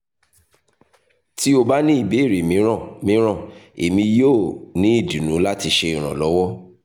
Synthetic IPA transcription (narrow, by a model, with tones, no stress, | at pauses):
ti˦o˧ba˦nĩ˦i˦˨be˨˦i˦˨ɾe˨mĩ˨˦˨mĩ˨˦ɾ̃ã˦˨e˨mĩ˧jo˦˨nĩ˨˦i˦˨di˨nũ˨˦la˦ti˧ʃe˧i˨ɾ̃ã̰˨lɔ˨˦wɔ˦